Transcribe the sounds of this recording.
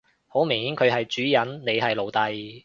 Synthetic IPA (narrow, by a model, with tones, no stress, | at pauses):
ho˨˥wmɪ˨˩ŋhiː˨˥nkʰɵ˨˧ɥɦɐ˨jt͡ʃyː˨˥jɐ˨˥nne˨˧jɦɐ˨jlo˨wt̪ɐ˨j